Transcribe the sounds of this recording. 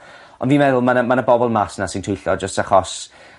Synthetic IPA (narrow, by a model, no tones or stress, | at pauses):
ɔ̰nviːmɛðʊlˠmanəmanəbɔbɔlˠmasnasɪntʰʊjɬɔd͡ʒəstaχɔs